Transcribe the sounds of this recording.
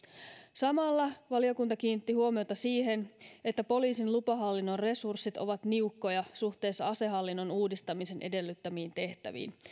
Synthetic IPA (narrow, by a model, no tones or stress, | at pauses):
sɑmɑlːɑʋɑlio̞kunt̪ɑkiːnit̪ːihuomiot̪ɑsiːɦe̞ne̞t̪ːæpo̞liːsinlupɑɦɑlːinːo̞rre̞sursːit̪o̞ʋɑt̪niukːo̞jɑsuxt̪e̞ːsːɑɑse̞ɦɑlːinːo̞nuːdist̪ɑmise̞nʔe̞de̞lːyt̪ːæmiːnt̪e̞ht̪æ̰ʋḭːn